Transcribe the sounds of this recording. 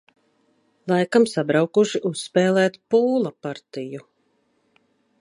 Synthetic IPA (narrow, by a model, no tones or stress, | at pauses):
lˠajkamsabɾawkuʃiʔusspɛːlˠɛːt̪puːlˠapaɾt̪iju